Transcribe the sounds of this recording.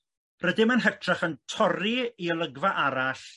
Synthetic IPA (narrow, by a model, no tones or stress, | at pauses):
rədɪmənɦərtʰraχəntʰɔriiəlˠəɡvaʔaɾaɬ